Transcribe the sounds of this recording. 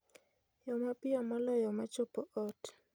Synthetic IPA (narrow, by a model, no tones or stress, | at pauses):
jɔmapɪɔmɔlɔjɔmat͡ʃopoʔɔt